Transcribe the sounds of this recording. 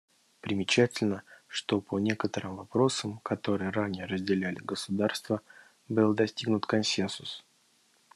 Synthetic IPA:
pɾʲɪmʲɪt͡ɕætʲɪlʲnəʂt̪o̞pʰənʲe̞kət̪əɾɨmvɐpɾo̞səmkɐt̪o̞ɾɨjəɾanʲɪjəɾəzʲdʲɪlʲælʲɪɡəsʊd̪arst̪və | bɨlˠd̪ɐsʲtʲiɡnʊt̪kɐnsʲensʊs

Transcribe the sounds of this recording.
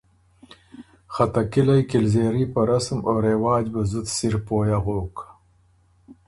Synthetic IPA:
xat̪akilajkɪlzeːɾipaɾasmoːɾewɑːd͡ʒbazud̪siɾpoːjaɣoːk

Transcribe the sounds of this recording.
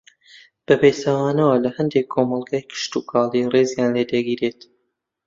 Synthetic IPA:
b̥ɐpejst̪awaːnɐwɐlɐhɐnd̪ekʰːomɑlˠɡaːjkʰɨ̥ʃt̪uːkʰɑːlirezjaːnleːd̪ɐɡiːɾeːt̪

